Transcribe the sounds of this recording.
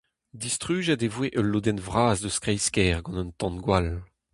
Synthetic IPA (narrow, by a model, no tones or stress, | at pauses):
d̪ist̪χyːʒad̪evweʔəlːod̪ɛnvʁaːzd̪əskʁɛjskɛːʁɡɑ̃nœ̃nt̪ɑ̃nɡwal